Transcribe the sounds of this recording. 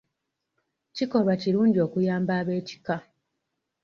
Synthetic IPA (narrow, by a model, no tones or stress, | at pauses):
ciko̞lwaciɾuːɲɟio̞ːkujaːmbaːβe̞ːci̥ka